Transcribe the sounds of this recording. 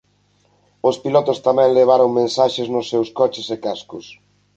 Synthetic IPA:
ospilɔt̪ʊst̪amɛ̃ŋleβ̞aɾoŋmẽnsaʃeznʊsːewskɔt͡ʃɪsekaskʊs

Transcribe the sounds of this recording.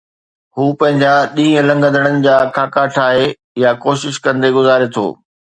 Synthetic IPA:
huːpɐ̃ɦɪ̃ɲd͡ʑaɗĩːə̃lɐ̃ŋɡənd̪əɽ̃ənɪ̆d͡ʑaːkʰaːkaʈʰaːɦe | jakoːʃɪʃkɐ̃nd̪eɡʊzaːɾet̪ʰo̰ː

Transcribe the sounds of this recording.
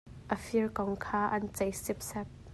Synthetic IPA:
ʔəfiərkɔŋkʰaːʔɐnt͡sɐjsɪp̚sɛp̚

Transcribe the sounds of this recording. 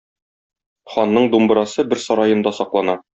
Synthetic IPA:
χɒnːɤɴd̪umb̆ɾɑsɤbɘɾsɒɾɑjɤ̆nd̪ɑsɒqlˠɑnɑ

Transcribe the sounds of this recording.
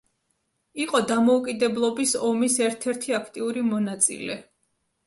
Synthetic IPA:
iqʼɔd̪amɔukʼid̪ɛblˠɔbisɔmisɛɾt̪ʰɛɾt̪ʰiakʰt̪ʼiuɾimɔnat̪sʼḭlɛ

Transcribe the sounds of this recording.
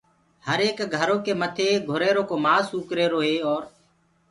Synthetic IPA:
həɾeːkɡʱəɾoːkeːmət̪ʰeːɡʱʊɾeːɾoːkoːmaːsuːkɾeːɾoːɦeːɔːɾ

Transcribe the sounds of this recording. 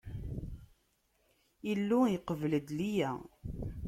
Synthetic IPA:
ilːujəqəvələd̪lijæ

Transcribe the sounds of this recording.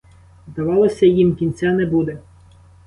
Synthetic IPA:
zd̪ɐʋɑlˠɔsʲɐjimkʲinʲt͡sʲanɛbud̪ɛ

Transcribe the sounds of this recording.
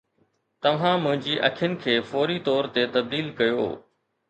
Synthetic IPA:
t̪ɐʋ̤ãmʊ̃ɦɪ̃ɲd͡ʑiʔɐ̰kʰɪjənɪ̆kʰeːfɔːɾit̪ɔːɾt̪et̪ɐb̚d̪iːlkɐjo̰ː

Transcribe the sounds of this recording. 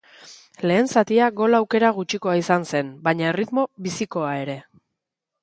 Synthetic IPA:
le̞ːnsat̪iaɣo̞lawke̞ɾaɣ̞ut͡ʃiko̞aisanse̞nbaɲae̞rit̪mo̞βisiko̞ae̞ɾe̞

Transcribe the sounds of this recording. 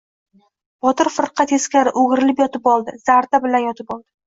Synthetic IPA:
b̥ɒt̪ɪɾfɪɾqʰɑt̪eskʲaɾɪʔoɡʲɪɾɪlɪpjɒt̪ɪpɒlˠd̪ɪz̥aɾd̪abɪlanjɒt̪ʰɪpɒlˠd̪ɪ

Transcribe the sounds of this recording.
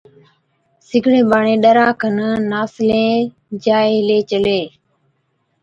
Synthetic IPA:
sɪɡʱɽẽːɓaːɳẽːɗəɾaːkʰənnaːslẽː | d͡ʒaːeɦɪleːt͡ʃəleː

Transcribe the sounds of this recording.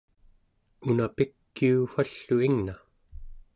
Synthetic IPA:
unapikːiufaɬːuiŋna

